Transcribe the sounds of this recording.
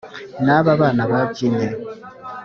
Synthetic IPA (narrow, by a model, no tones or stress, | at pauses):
naβaβaːnaβaciːnde